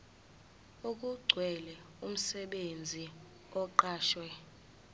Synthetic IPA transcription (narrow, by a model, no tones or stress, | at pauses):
uk̬ʼuɡ͡ǀʱwɛlɛ | um̩sɛɓend͡zʱi | ɔǃaːʃwɛ